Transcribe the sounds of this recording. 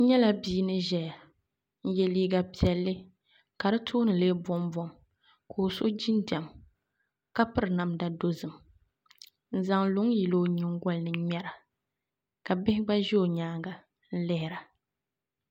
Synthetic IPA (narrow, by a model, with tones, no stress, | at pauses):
ɲɛ˦la˦biː˦nɨ˦ʒɛ˨ja˨ | n̩˦jɛ˨liː˦ɡa˨pi˨ɛ˨lːɨ˦ | ka˨ɾɨ˦tʰoː˦nɨ˨leː˦bɔ˦mbɔ˨m | kʰo˨so˦d͡ʒi˦ndɛ˨m | ka˦pɨ˦ɾɨ˨na˨mda˦do˦zɨ˨m | n̩˨za˨ŋlʊ˨˦ŋji˨lo˦ɲɪ˨ŋ˦ɡɔ˦lnɨ˨ɲɛ˦ɾa˨ | ka˨bɪ˦hɪ˦ɡ͡ba˦ʒɛ˦o˨ɲaː˦ɡa˨ | n̩˦lɪ˦hɪ˨ɾa˨